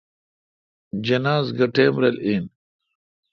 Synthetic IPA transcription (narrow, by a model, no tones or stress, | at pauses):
d͡ʒɐnaːzɡɐʈeːmɾɐlin